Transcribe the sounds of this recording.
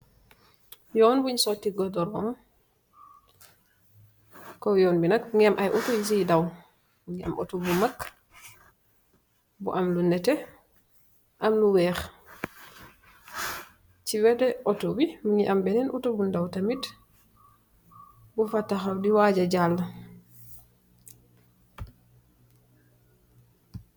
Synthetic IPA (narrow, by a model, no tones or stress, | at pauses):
jɔːnbuɲsɔtːiɡɔdɔɾɔŋ | kːɔjɔːnbinakŋɛmʔajʔutujs̬idaw | muɲia̰mo̰tubumakː | bṵʔamlunɛtɛ | ʔamluwɛːx | t͡ʃiwɛtɛʔɔtobimuɲiʔambɛnɛnʔutubundawtamit | bufatːaxawdiwaɟad͡ʒalː